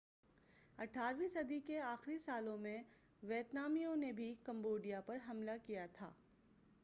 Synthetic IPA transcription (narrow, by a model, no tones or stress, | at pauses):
ɐʈʰaːɾʋisɐd̪ikeaːxɾisaːlõmẽ | ʋjeːt̪naːmijõnebʱikɐ̃mboːɖijapɐɾɦɐmlakijat̪ʰa̰ː